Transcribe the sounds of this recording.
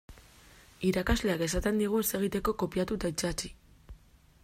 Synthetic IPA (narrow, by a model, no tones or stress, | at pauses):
iɾakazle̞ake̞sat̪e̞nd̪iɣ̞ue̞se̞ɣ̞it̪e̞ko̞ko̞piat̪ut̪ait͡sat͡ʃi̥